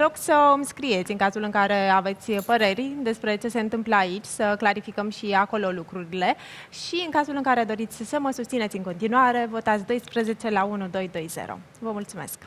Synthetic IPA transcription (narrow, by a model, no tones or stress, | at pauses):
ɾo̞ɡsəɨmskɾije̞t̪sʲɨŋkazulɨŋkaɾe̞ave̞t̪sʲpəɾe̞rʲd̪e̞spɾe̞t͡ʃe̞se̞ɨnt̪ɨmpləait͡ʃʲsəklaɾifikəmʃiako̞lo̞lukɾuɾile̞ | ʃiɨŋkazulɨŋkaɾe̞d̪o̞ɾit̪sʲsəməsust̪sinesʲɨŋko̞nt̪inuaɾe̞vo̞t̪at̪sʲd̪o̞jspɾəze̞t͡ʃe̞launud̪o̞jd̪o̞jz̥ḛɾo̰ | vəmult̪sume̞̰sk